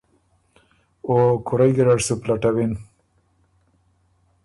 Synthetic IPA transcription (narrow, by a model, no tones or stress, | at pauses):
okuɾajɡiɾaɖsuplaʈawin